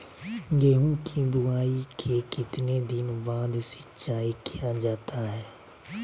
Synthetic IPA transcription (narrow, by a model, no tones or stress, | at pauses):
jeːɦũːkʰibʊaːiːkʰeːkɪt̪neːd̪ɪnbaːd̪sɪ̥t͡ʃaːikʰɪjaːd͡ʒaːt̪ʰaːɦɛː